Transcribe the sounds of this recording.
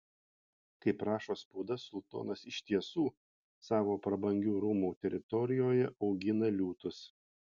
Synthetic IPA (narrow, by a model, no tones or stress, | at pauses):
kɐɪpɾɑːʃoːspuːd̪ɐsʊlˠt̪o̰ːnɐsɪʃʲt̪ʲiɛsuː | sɑːʋoːpɾɐbɐŋʲɡʲuːɾuːmuːt̪ʲɛɾʲɪt̪ɔɾʲɪjoːjɛɒʊɡʲɪnɐlʲuːt̪ʊs